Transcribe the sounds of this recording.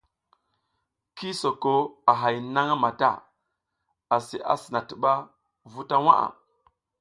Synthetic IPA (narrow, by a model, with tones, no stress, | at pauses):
ki˦so˨ko˦a˨ɦa˨jna˦ŋa˦ma˨ta̰˦˨ | a˨si˨ʔa̰˨sə˨na˨tə˨ɓa˦ | vu˦ta˦wa˦ʔa̰˨